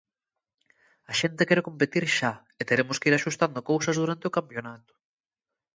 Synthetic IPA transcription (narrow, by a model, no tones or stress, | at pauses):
ɐʃent̪ekɛɾekompet̪iɾʃa | et̪eɾemʊskeiɾaʃust̪and̪okowsɐzðuɾant̪eokampjonat̪ʊ̥